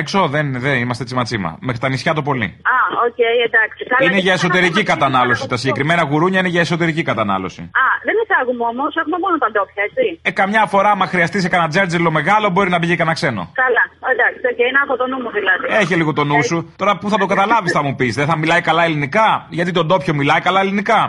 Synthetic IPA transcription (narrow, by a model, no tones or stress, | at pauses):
ekso̞ðenðeimɐst̪eet͡simɐt͡simɐ̰mexɾi̥t̪ɐnisçɐt̪op̬o̞lḭɐocejed̪ɐksikɐineʝɐeso̞t̪e̞ɾicikɐt̪ɐnɐlo̞sit̪ɐsiɲɟekɾime̞nɐɣuɾuɲɐineʝɐeso̞t̪e̞ɾicikɐt̪ɐnɐ̰lo̞̰sḭɐðenisɐɣumomo̞sexumemonot̪ɐnd̪o̞pçɐet͡siekɐmɲɐfo̞ɾɐmɐxɾiɐst̪is̬ekɐnɐd͡zeɾd͡zelo̞me̞ɣɐlo̞bo̞ɾinɐbiʝikɐnɐkse̞no̰kɐlɐend̪ɐkst̪oceiinɐxot̪onumuðilɐðieçeliɣot̪o̞nusut̪o̞ɾɐpuθɐt̪oɡɐt̪ɐlɐvisθɐmupisðeθɐmilɐikɐlɐe̞linikɐʝɐt̪it̪od̪o̞pço̞milɐikɐlɐelinikɐ